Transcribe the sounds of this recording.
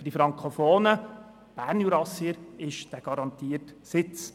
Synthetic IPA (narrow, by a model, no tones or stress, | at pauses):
fd̥ifɾɑŋkχofoːnə | b̥æːɾnjuɾɑsiəɾɪʃd̥æɡ̥ɑɾɑnt̪iːəɾtsɪt͡s